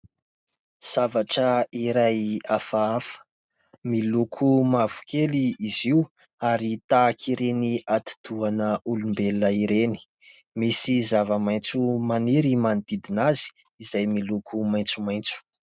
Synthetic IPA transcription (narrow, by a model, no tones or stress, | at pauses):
z̥avaʈ͡ʂəiɾajafaafə̥ | milukʰumav̥u̥kʰeliːziu | aɾit̪aːkʰiɾeniʔat̪i̥d̪uanəʔulumbeləiɾeni̥ | misizavəmajnt͡sumaniɾimanit̪id̪inazi̥ | izajmilukʰumajnt͡sumajnt͡su̥